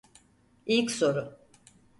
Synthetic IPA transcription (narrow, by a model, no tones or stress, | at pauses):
ilʲcso̞ɾʊ